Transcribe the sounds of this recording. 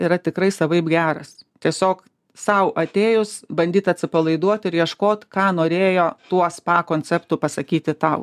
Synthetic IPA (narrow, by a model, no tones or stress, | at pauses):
ɪɾɐt̪ʲɪkɾɐɪsɐʋɐɪbɡʲæːɾɐst̪ʲiɛsʲoːk | sɐʊʔɐt̪ʲeːjʊsbɐnʲd̪ʲiːt̪ɐt̪ʲsʲɪpɐlˠɐɪd̪uɔt̪ɪɾjiɛʃkoːt̪ʲkɑːnoːɾʲeːjoːt̪uɔspɑːkoːnʲt͡sʲɛpt̪ʊpɐsɐkʲiːt̪ʲɪt̪ɐʊ